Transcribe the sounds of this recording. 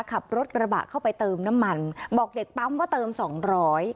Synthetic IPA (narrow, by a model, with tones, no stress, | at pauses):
kʰa˨˩p̚ɾo˦˥t̪̚ɾa˧ba̰˨˩kʰa˥˩wpa˧jt̪ɤː˧mna˦˥mːa˧nbɔː˨˩k̚de˨˩k̚pa˦˥mwaː˥˩t̪ɤː˧msɔː˩˦ŋɾɔː˦˥j